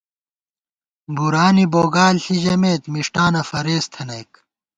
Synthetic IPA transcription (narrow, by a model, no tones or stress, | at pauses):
buɾaːniboːɡaːlɬiʑɐmeːt̪miʂʈaːnɐfɐɾeːst̪ʰɐnɐjk